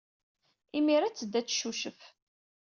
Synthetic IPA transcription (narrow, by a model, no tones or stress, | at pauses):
imiɾat͡sːəd̪ːæt͡sːʃuʃəf